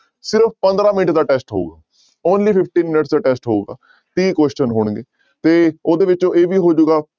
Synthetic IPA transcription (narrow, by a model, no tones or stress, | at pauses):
sɪɾəppə̃nd̪ɾãːmɪnɪʈd̪aːʈɛːsʈɦo̰ṵːɡaː | oːnliːpʰɪpʰʈiːnmɪnəʈsd̪aːʈɛːsʈɦouːɡaː | t̪iːkɛːst͡ʃənɦoːɽ̃ɡeː | t̪eːoːd̪eːʋɪt͡ʃõːʔeːʋiːɦoːd͡ʒuːɡaː